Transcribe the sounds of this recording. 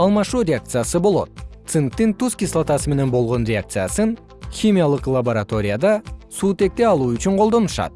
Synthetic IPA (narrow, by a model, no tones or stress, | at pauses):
ɑlˠmɑʃuɾʲe̞ak̚t̪sɨjasɨbo̞lˠo̞̰t̪̚t̪sɨŋk̚t̪ɪŋt̪uskʲislˠat̪ɑsəme̞ne̞nbo̞lˠʁo̞nɾʲe̞ak̚t̪sɨjasɨn | xʲimʲijalˠəqlˠabo̞ɾat̪o̞ɾʲijad̪ɑsuːt̪e̞k̚t̪e̞ɑlˠuʏt͡ʃɪɴqʰolˠd̪o̞nəʃɑ̰d̪̥